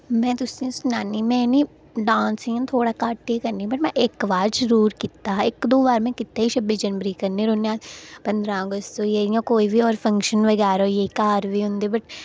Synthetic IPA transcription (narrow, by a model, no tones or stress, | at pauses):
mɛ̃ːt̪ʊsĩsʊnaːnimɛ̃ni | ɖãːnsĩːt̪ʰoːɽakaːʈːekɐɾnĩbɐʈmɛ̃ʔeːkʋaːɾd͡ʒɐɾuːɾkiːt̪aɦeːkd̪oːʋaːɾmẽkɪt̪ːeɦiʃɐbisd͡ʒɐnʋəɾikɐɾneɾoːneaːpɐ̃nd̪ɾãɡəst̪ojeĩjãkoːibʱiɔːɾfɐ̃ŋkʃənʋɐɡɛːɾojeikaːɾbʱiɦʊ̃nd̪ibɐʈ